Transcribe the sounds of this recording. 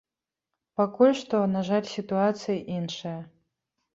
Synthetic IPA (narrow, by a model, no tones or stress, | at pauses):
pakulʲʂt̪ɔnaʐalʲsʲit̪uat̪sɨjʔinʂɐjɐ